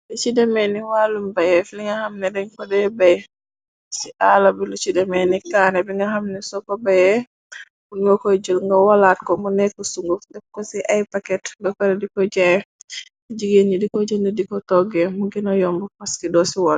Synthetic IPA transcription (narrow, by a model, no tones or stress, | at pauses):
lɛt͡ʃidɛmeniwalumbajɛfliŋɡahamnɛdɛnkɔdɛbɛj | siʔalabilɔt͡ʃidɛmɛnikanɛbɛŋɡaɦamnɛsɔkɔbajɛ | buɡɔkɔjd͡ʒulŋɡawalatkɔmɔnɛkɔsuŋɡudɛb̚kɔsiʔajpakɛtbɛkaɾɛdikɔd͡ʒɛj | d͡ʒiɡend͡ʒidikɔd͡ʒondudikɔtɔɡɛmuɡinɔjɔmbɔpaskidɔsiwɔl